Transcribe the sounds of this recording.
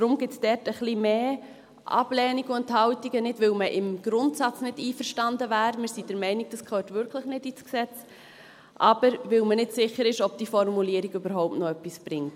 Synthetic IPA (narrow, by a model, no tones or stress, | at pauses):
d̥ɾʊmɡɪt͡sd̥ɛɾtəχlimeː | ʔɑ̰b̥lɛːniɡuɛnthɑʊtiɡənɪdʋɪlməʔɪmɡ̥ɾʊntsɑt͡snɪdiːfəɾʃtɑndəvæːɾmɪːɾsidɛɾmɛɪniɡ̥̚d̥ɑskʰχøːtʋʏɾkʰləχnɪdisksɛt͡s | ʔɑbəɾʋɪlmənɪdsɪχːəɾɪʃɔb̚d̥ifɔɾmuliəɾiɡybəɾɦɔʊp̚tnɔœpːisb̥ɾɪŋt